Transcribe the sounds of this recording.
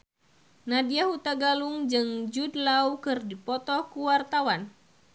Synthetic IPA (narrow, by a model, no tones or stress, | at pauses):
nadiahut̪aɡaluŋd͡ʒɨŋd͡ʒudlaukɨrdipɔt̪ɔkuwart̪awan